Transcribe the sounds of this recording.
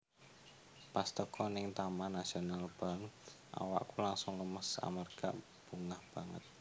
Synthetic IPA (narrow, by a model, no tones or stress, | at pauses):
past̪əkʰɔnɪŋt̪amanasionalb̥a̤ŋ | ʔa̰wa̰ʔkulaŋsʊŋləməsa̰mərɡa̰ | b̥uŋahb̥aŋə̰t̪̚